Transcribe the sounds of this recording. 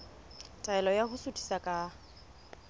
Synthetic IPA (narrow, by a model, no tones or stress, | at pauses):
tʼaɛlɔjahʊsʊtʼi̥sakʼa